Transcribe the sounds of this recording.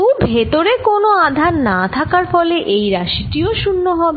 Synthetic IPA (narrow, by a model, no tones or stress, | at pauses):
ubʱet̪oɾekonoad̪ʱaɾnat̪ʰakaɾfɔleʔejɾaʃiʈioʃunːoɦɔbe